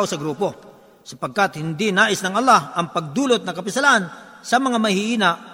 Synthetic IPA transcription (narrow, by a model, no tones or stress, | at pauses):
ʔosɐɡɾuːpo̞ | sɐpɐɡ̚kat̪hɪnd̪inaːʔɪsnɐŋɐlːahʔɐŋpɐɡ̚d̪uːlot̪̚nɐŋkɐpɪsɐlaʔansɐmɐŋamɐhɪʔiːnaʔ